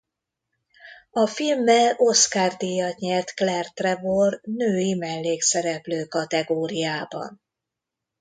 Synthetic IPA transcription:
ɒfilmːɛlo̞skaːrd̪ijɒt̪ɲɛrt̪klɛrt̪rɛvornøːjimɛlːeːksɛɾɛpløːkɒt̪ɛɡoːɾijaːbɒ̰n

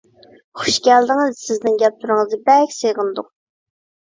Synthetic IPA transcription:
χʊ̥ʃɡʲɛld̪ɪŋɨzsɪznɪŋɡʲɛp̚t̪ʰuɾɨŋəzɨbɛkʲseʁɨnd̪uq

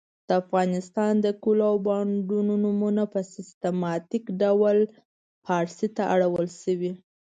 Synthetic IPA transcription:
d̪̥əafɣɑnɪst̪ɑnd̪əkulawbɑɳɖunonumunapəsɪst̪emɑt̪ikɖawal | pʰɑɾsit̪aʔaɽawəlʃəwi

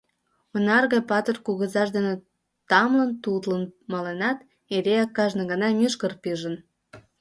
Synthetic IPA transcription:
onɑrɣɑjpɑt̪ərkuɣəzɑʃd̪ene | t̪ɑmlənt̪ut̪lənmɑlenɑt̪ | eɾeɑkːɑʒnə̆ɣənɑmyʃkərpiʒə̆n

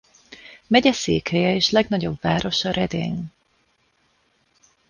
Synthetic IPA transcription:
mɛɟɛsḛːkhɛjɛeːʃlɛɡnɒɟo̞bvaːɾo̞ʃɒɾʔɛd̪ḛːn

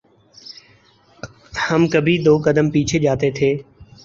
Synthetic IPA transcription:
həmkəbʱiːd̪oːkəd̪əmpiːt͡ʃʰeʄaːt̪et̪ʰeː

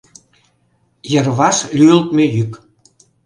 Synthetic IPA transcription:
jə̆rβɑʃlʲyəlt̪mejyk

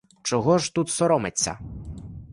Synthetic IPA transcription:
t͡ʃɔɦɔʒt̪ut̪sɔɾɔmet͡sʲːɐ̰

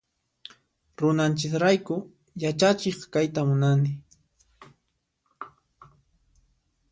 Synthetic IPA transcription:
ɾʊnant͡ʃɪkɾajkʊ | jat͡ʃat͡ʃɪχkajt̪amʊnanɪ

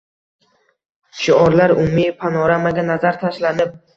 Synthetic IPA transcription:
ʃɪɒɾlaɾʊmmːijpʰanɒɾamaɡʲanazaɾt̪ʰaʃlanɪp̚

